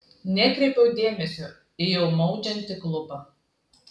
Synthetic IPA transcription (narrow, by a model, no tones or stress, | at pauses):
nʲɛkʲɾʲɛpʲɛʊd̪ʲeːmʲɛsʲo | ɪjɛʊmɔʊd͡ʒʲɛnʲt̪ʲɪklˠʊbɑ